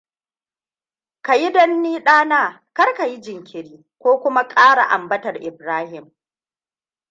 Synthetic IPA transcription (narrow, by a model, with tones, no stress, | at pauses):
ka˨ji˦dɐ˦nːiː˦ɗaː˦naː˦˨ | kɐ˦rka˨ji˦d͡ʒɪ˨ŋkʲɪ˨ɾiː˦ | kʷoː˦kʷʊ˦ma˦kʼaː˦ɽa̰˨ʔa˨mbɐ˦tɐ˨rʔɪ˨bɾaː˦hɪ˨m